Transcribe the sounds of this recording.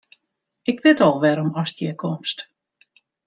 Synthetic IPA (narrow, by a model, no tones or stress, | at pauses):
ɪkʋɪtɔlˠʋɛɾɔmɔsdjɛkʰɔmst